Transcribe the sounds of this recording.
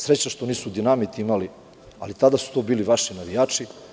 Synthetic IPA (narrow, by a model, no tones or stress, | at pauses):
sɾet͡ɕaʃt̪o̞niːsud̪inamit̪iimali | a̰lit̪ad̪asu̥t̪o̞ːbiːliʋaʃinaʋijaːt͡ʂi